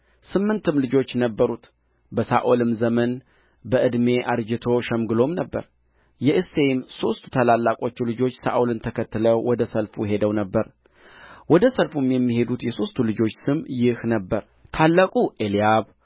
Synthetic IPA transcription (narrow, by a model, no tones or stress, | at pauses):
sɨmːɨnt̪ʰɨmlɨd͡ʒo̞t͡ʃːnəbːəɾut̪ | bəsa̰ʔolɨmzəmən | bəʔɨd̪me̞ʔaɾd͡ʒɪt̪ʰo̞ʃɛmɡɨlo̞mnəbːə̰ɾ | jɛʔɨse̞jmso̞st̪ʰu̥t̪ʰalalːakʼo̞t͡ʃːulɨd͡ʒo̞t͡ʃːsa̰ʔolɨnt̪ʰəkʰət̪ːɨləwwɔd̪əsəlfujɦe̞d̪əwnəbːəɾ | wɔd̪əsəlfumjɛmːihe̞d̪ut̪jɛso̞st̪ʰːulɨd͡ʒo̞t͡ʃːsɨmjɪhnəbːəɾ | t̪ʰalːəkʼuʔelijaβ